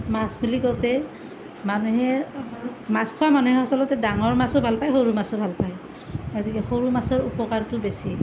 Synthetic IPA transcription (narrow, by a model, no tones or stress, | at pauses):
masbuliɡɔwtɛ | manuɦɛ | maskʰɔwamanuɦɛɔsɔlɔtɛdaŋɔɹmasʊbʱalpajxoɹumasɔbʱalpaj | ɡotikɛxoɹumasɔɹupɔkaɹtʊbesi